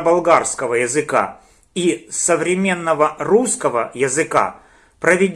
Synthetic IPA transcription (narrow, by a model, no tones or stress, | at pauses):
bɐlˠɡarskəvəjɪzɨka̰ | isəvɾʲɪmʲe̞nːəvəruskəvəjɪzɨka̰ | pɾəvʲɪdʲ